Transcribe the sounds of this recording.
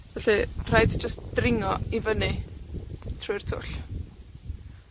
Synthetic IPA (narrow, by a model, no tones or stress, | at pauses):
vɛɬir̥ajdd͡ʒəstd̥rɪŋɔivəni | tʰrʊɨr̥tʰʊ̰ɬ